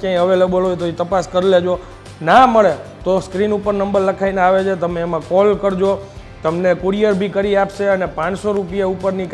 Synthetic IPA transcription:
kjãĩəʋelebəlɦojt̪oit̪əpaskəɾiled͡ʒo | naməɭet̪oskɾinupəɾnəmbəɾləkʰaineaʋet͡ʃʰet̪əmeːmãkɔlkəɾd͡ʒo | t̪əmnekuɾijəɾbʱikəɾiapʃeənepãt͡ʃsoɾupijaupəɾnik

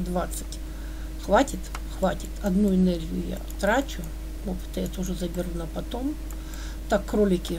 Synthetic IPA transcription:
d̪vat̪sɨ̥tʲ | xvatʲɪt̪ | xvatʲɪt̪ɐd̪nuɪnɛrɡʲɪjʊ̰ja̰t̪ɾat͡ɕʊ | opɨ̥t̪əjat̪oʐɨzɐbʲɪrnapɐt̪om | t̪akːrolʲɪkʲɪ

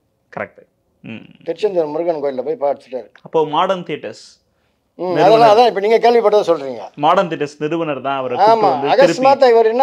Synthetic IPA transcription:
kɐɾɛ̰k̚ʈː | t̪ɪɾt͡ʃːɐnd̪ɐɾmʊɾɯɣɐɳkoːɾɪlɐpoːjpaːɐɽɯt̪ːɯʈːaːɾɯkːɐpːoːmaːɽɐnt̪iʈːɐs | ɪɾɐðɛlːãːɐðãːɪpːɐniːŋɡɐkeːɭʋipɐʈːɐðɐsɔlɾiːŋɡɐ̰ːmaːɽɐnt̪ɪːʈːɐsnɪɾɯʋɐnɐɾt̪ãːɐʋɐɾɐaːmaːd̪ɐɣɐɪɾɯsmaːt̪̬aːɪʋɐɾnːa

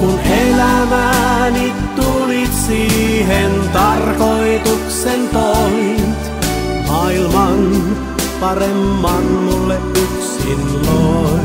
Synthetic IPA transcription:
kunʔelæmænitt̪ulit̪siːɦent̪ɑrkoit̪uksent̪oit̪ | mɑilmɑn | pɑremːɑnːulːeʔʔuksilːoː

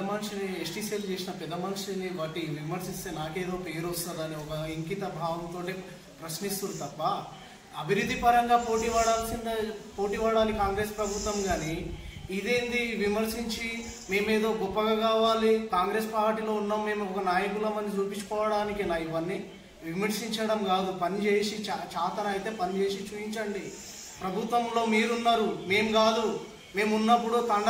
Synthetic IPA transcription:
ɐmɐnʂiniesʈiseld͡ʒe̞ːsinɐpɛd̪ːɐmɐnʂiniʋaːʈiʋimɐɾsist̪e̞ːnaːke̞ːd̪o̞ːpeːɾost̪ɐd̪ɐniɔkɐiŋkit̪ɐbʱaːɡɐmt̪o̞ːʈi | pɾɐʃnist̪uɾut̪ɐpːɐ | ɐbʱiɾud̪ʱːipɐɾɐŋɡaːpo̞ːʈiʋaːɽaːlsind̪ɐpoːʈiːʋaːɽaːnikkaːŋɡɾe̞ːspɾɐbʱut̪ʋɐmɡaːniid̪e̞ːnd̪iʋimɐɾsiɲt͡ʃi | me̞ːme̞ːd̪o̞ːɡɔpːɐɡakaːʋaːlikaːŋɡɾe̞ːspaːɾʈiːlo̞ːunːaːmːe̞ːmuɔkɐnaːjɐkulɐmɐnd̪it͡ʃuːpiɲt͡ʃːu̥kɔːʋɐɽaːnikilaːiʋɐnːi | ʋimɐɾsiɲt͡ʃɐɽɐmɡaːd̪upɐnit͡ʃe̞ːsit͡ʃat͡ʃaːt̪ɐnɐːjit̪e̞ːpɐnit͡ʃe̞ːsit͡ʃuːiɲt͡ʃɐɳɖi | pɾɐbʱut̪ʋɐmlo̞ːmiːɾunːaːɾume̞ːmuɡaːd̪u | me̞ːmunːɐpːuɽut̪ɐɳɖ

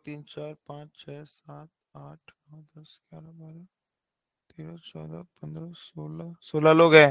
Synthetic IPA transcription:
t̪iːnt͡ʃaːɾpãːt͡ʃt͡ʃʰɛːsaːt̪̚ | aːʈʰnɔ̃d̪ɐskjaːɾabaːɾa | t̪eːɾət͡ʃɔ̰ːd̪a̰pɐ̃nd̪ɾəsoːlasoːlaloːɡɦɛ̃ː

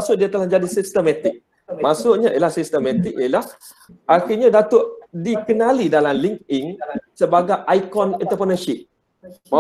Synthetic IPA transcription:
sʊʔdiat̪əlahd͡ʒadisist̪əmɛt̪ɪk̚ | masʊʔɲãʔilahsist̪əmɛ̃t̪ik̚ijəlah | ʔaxiɲadat̪ʊʔdikənalidalamliŋk̚iŋsəbaɡajʔajkɔnɛnt̪əpɾənəʃip̚ | ma

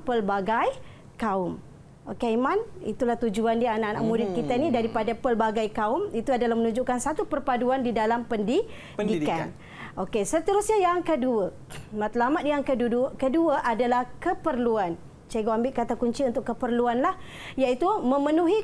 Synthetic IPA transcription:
pəlbaɡaj | kaʊm | okemãnḭt̪ulaht̪ud͡ʒuandianaʔna̰ʔmudɪt̪̚kit̪anidaɾipadapəlbaɡajkaʊmit̪uadalahmənud͡ʒuʔkansat̪upərpaduandidalampəndi | dikan | ʔokesət̪əɾusɲajaŋkəduə | mat̪lamat̪̚jaŋkəduukəduəʔadalahkəpərluan | t͡ʃaɡoambɪʔkat̪akuɲt͡ʃiunt̪ʊkːəpərluanlah | jait̪umə̃mə̃nũɦi

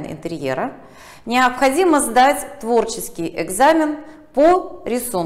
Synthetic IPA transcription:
nɪ̰nt̪ɨɾʲjḛɾə | nʲɪəpxɐdʲiməzd̪atʲt̪vo̞rt͡ɕɪskʲɪjɪɡzamʲɪn | poɾʲɪsun

